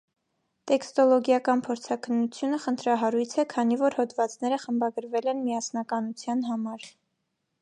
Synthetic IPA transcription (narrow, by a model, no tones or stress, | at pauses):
t̪ɛkst̪ɔlɔɡjɑkɑnpʰɔɾt͡sʰɑkʰənːut͡sʰjunəχənt̪ʰɾɑɦɑɾujt͡sʰɛkʰɑn̪ivɔɾhɔd̪vɑt͡snɛɾəχəmbɑɡəɾvɛlɛnmiɑsnɑkɑnut͡sʰjɑnɦɑmɑɾ